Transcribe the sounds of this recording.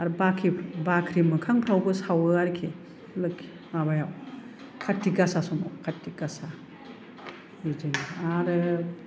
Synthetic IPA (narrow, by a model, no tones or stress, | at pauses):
aɾbakʰibakʰɾimɯkʰaŋpʰɾawbɯsawɯaɾkʰe | lɯkʰːi̥ | mabajaw | kʰatːiɡasasɔmɔkʰatːiɡasa | ɯd͡ʒɯniaɾɯ